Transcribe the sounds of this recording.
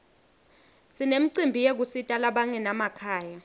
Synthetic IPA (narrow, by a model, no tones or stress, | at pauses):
sinem̩ǀimbʱijek̬usitʼalaɓaŋɛnamakʰaːja